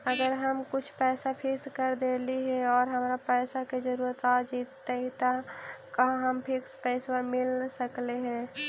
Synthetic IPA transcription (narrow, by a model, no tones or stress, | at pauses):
əɡəɾɦəmkʊt͡ʃʰpɛːsapʰɪkskəɾd̪eːliɦɛ̃ɔːɾɦəmɾapɛːsaked͡ʒəɾuːɾət̪ad͡ʒiːt̪ːet̪akəɦãɦəmpʰɪkspɛːsamɪlsəkleɦɛ̃